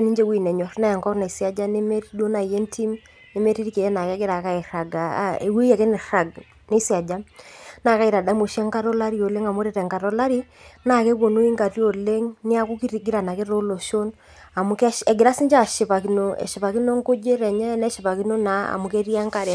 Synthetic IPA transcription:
ni˦ɲd͡ʒe˦wi˨nɛ˨ɲɔ˨ɾna˦ɛ˨ŋkɔ˦rna˨i˨sja˦d͡ʒa˦ne˦me˦ɾi˦dwo˦na˨je˦ntʰi˦m | nɪ˦me˦ɾi˦ɾi˦ke˨ɛ˦na˨kɛ˦ɡɪ˦ɾa˨ka˦ɛ˨ra˨ɡa̰˨ḛ˨we˦ja˨ke˦nɪ˨ra˨ɡ | ne˦si˦a˨d͡ʒa˦mna˦˨ka˦i˨ɾa˨da˦mo˨ʃa˦ŋka˦ɾɔ˦la˦ɾi˦o˨le˦ŋa˨mo˦ɾe˨ɾɛ˨ŋka˨ɾɔ˦la˦ɾi˦ | na˨kɛ˦bo˨no˦i˦ŋɡa˨rjo˨le˦ŋnɪ˦a˦ku˦ki˦ɾi˨ɡi˦ɾa˨na˨ke˦ɾo˦lo˨ʃo˦n | a˨mʊ˨kɛ˦ɛ˨ɡɪ˨ɾa˦si˦ɲd͡ʒa˨ʃɪ˨pa˨ki˨no˨ɛ̰˨ʃɪ˨pa˨ki˦no˦ŋko˦d͡ʒe˦ɾɛ˨ɲɛ˦nɛ˦ʃɪ˨pa˨ki˦no˦na˨˦a̰˨mʊ˨ke˦ɾja˦ŋka˨ɾ

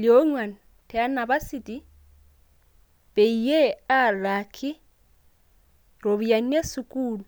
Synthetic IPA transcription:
lo˦ŋwa˨n | tʰɛ˨a˦na˨ba˦si˦˨tʼi˦ | b̥e˨i˨jɛ˦a˦la˨kʰɪ˦ | ro˨βi˨ja˨n̩˦e˦sʊ˨kʼuː˨lu˨

